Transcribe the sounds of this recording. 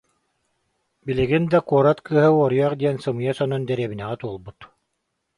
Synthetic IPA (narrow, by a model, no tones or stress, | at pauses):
biliɡind̪akuɔɾat̪kɯːɦɯuɔɾijaχd̪iɛnsɯmɯjasɔnɔnd̪ɛɾiɛβinɛʁɛt̪uɔlˠbut̪